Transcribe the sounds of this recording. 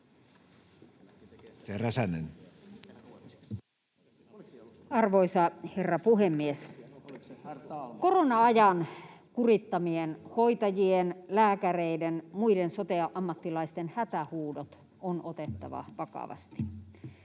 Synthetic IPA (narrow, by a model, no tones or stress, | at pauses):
teræsænḛn | ɑrʋoisɑherːɑpuhemːies | koronɑɑjɑnkurit̪ːɑmienhoit̪ɑjienlæːkæreidenmuidensot̪eɑʔʔɑmːɑt̪ːilɑist̪enhæt̪æhuːdot̪ | onʔot̪et̪ːɑ̰ʋɑ̰ʋɑkɑ̰ʋɑ̰st̪i